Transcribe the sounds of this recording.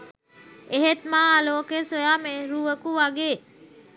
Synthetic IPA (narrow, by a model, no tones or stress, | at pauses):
eɦet̪maːaloːkesojaːmeɾuʋəkuʋaɡeː